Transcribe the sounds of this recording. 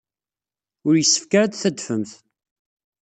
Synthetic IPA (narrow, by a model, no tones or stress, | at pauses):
ʊɾjəsːə̥fkaɾad̪θæd̪fəmθ